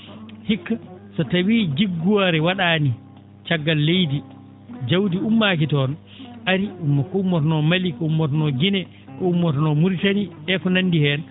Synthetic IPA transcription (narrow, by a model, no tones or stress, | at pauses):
hikːasatawiːd͡ʒiɡːuwaɾɛwaɗaːni | t͡ʃaɡːalːejdi | d͡ʒawdiumːaːk̬itɔn | ʔaɾiumːɔkɔumːɔtɔnɔmalikɔumːɔtɔnɔɡinɛ | kɔumːɔtɔnɔmuɾtaniɛkɔnandihɛn